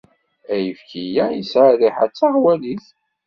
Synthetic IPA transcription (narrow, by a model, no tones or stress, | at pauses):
æjəfkijæisʕəriħæ̰t͡sːaʁwæliθ